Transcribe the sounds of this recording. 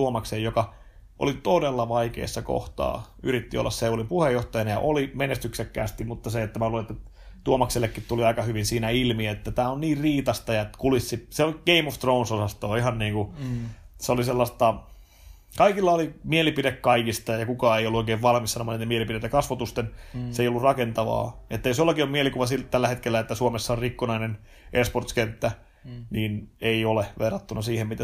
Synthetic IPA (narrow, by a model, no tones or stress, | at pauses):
uomɑksejjokɑ | ʔo̰lit̪odelːɑʋɑikḛːsːɑko̰ht̪ɑ̰ː | yɾit̪ːio̰lːɑ̰sseolipuhejːoht̪ɑjɑnɑjɑ̰ʔolimenest̪yksekːæːst̪immut̪ːɑseet̪ːæmæuet̪ːæ | t̪uomɑkselːekːitt̪uliɑikɑhyʋinsiːnæilmiæet̪ːæt̪æːonniːrriːt̪ɑst̪ɑjɑkulisːiseoɡ̥eimoft̪rounsosɑst̪oːihɑnniːŋku | seoliselːɑst̪ɑ | kɑikilːɑolimielipidekkɑikist̪ɑjɑkukɑːejolːuoikeːʋʋɑlmissɑnomːɑnit̪emielipiɾet̪ːækɑsʋot̪ust̪enseijolːurɑkent̪ɑʋɑ̰ːet̪ːæjosjolːɑkiomielikuʋɑsilt̪ælːæhet̪kelːæet̪ːæsuomesːɑorikːunɑinen | ʔesport̪skent̪ːæ | niːneioleʋerːɑt̪ːunɑsiːhemmit̪æ